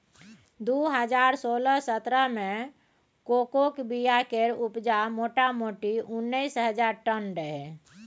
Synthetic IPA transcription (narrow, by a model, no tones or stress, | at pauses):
d̪uɦəd͡ʒaːɾsoːləsət̪ɾəmẽ | koːkokbijakeɾʊpd͡ʒamoːʈamoːʈiʊnːəisɦəd͡ʒaːɾʈənɾəɦe